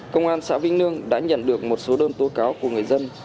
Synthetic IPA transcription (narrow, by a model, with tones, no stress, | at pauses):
kə˧wŋ͡mʔaː˧nsa̰ː˧˥vi˧ŋ̟nɨ˧əŋɗa̰ː˧˥ɲə̰˧˨nɗɨ˨˩ək̚mo˨˩t̚so˨˦ɗəː˧nt̪o˨˦kaː˨˦wku˧˩əŋɨ˨˩əjzə˧n